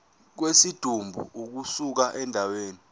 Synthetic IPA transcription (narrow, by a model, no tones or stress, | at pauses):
k̬wesid̥ʱumbʱṵuk̬usuk̬aʔɛndʱaweːni